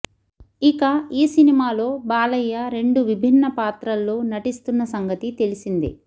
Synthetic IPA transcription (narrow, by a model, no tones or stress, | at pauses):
ikɐiːsinimaːlo̞ːbaːlɐjːɐɾe̞ɳɖuʋibʱinːɐpaːt̪ɾɐlːoːnɐʈist̪unːɐsɐŋɡɐt̪it̪e̞lisind̪ḭ